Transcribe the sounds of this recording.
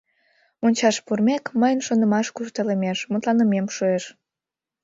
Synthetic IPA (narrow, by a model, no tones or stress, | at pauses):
onʲt͡ɕɑʃpurmekməjənʃond̪əmɑʃkuʃt̪ələmeʃmut̪lɑnəmemʃueʃ